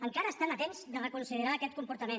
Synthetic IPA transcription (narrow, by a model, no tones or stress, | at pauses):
əŋkaɾəːst̪anət̪enzðərəkunsiðəɾaːkɛt̪̚kumpuɾt̪əmen